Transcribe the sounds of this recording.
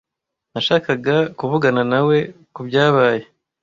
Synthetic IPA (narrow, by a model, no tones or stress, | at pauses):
naʃaːkaɡakuβuɡananawe̞ | kubjaːβaːje̞